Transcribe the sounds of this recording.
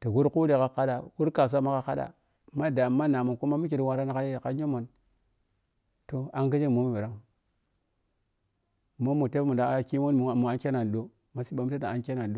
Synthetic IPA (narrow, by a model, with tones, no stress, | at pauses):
ta˨ɡu˦ɾku˦ɾe˨ka˦ka˦ɗa˨wu˦ɾka˨s̬ʷa˦ma˦ka˦ka˦ɗa̰˨ | ma˦da˨ma˦na˨mo˨ku˦ma˦mu˦k̬i˨ɾwa˦ɾa˦na˨ka˦˨ka˦ɲo˦mo˨n | to˨a˦ŋɡa˦d͡ʒe˦˨mo˦mu˨bi˨ɾa˦ŋ˨ | mo˦mu˨te˦mu˨da˨a˦ki˦wo˦n˦˨mu˨a˦nkʲe˦na˨n˨do˦ | ma˨si˦ɓa˨mu˦ta˦ta˨a˦nkʲe˦na˨n˨ɗo˦